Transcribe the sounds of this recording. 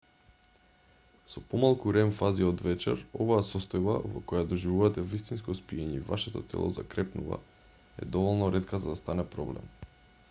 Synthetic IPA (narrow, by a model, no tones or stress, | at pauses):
sɔpɔmalˠkuɾɛmfaziɔd̪vɛt͡ʃɛɾovaasɔst̪ɔjba̰vɔkɔjad̪ɔʒivuvat̪ɛvist̪inskɔspiɛɲɛivaʃɛt̪ɔt̪ɛ̰lˠɔ̰za̰kɾɛpnuva̰ | ɛ̰d̪ɔvɔlˠnɔɾɛt̪kazad̪ast̪anɛpɾɔblɛ̰m